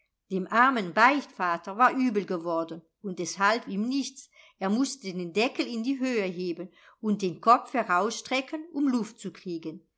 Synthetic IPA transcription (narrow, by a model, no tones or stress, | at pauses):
d̥eːmʔaɐmənbaɪçtfaːtɐvaːɐʔyːbl̩ɡəvɔɐdən | ʊnt̚d̥ɛshalfiːmnɪçt͡s | ʔeːɐmʊstədeːndɛkəl̩ɪndiːɦøːəɦeːbən | ʊnt̚d̥eːnkʰɔp͡fhɛɐʁaʊsʃtʁ̥ɛkʰənʊmlʊft̚t͡sukʁ̥iːɡən